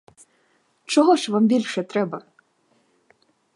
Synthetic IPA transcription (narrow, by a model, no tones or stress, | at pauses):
t͡ʃɔɦɔʃʋɑmbʲilʲʃɛt̪ɾɛbɐ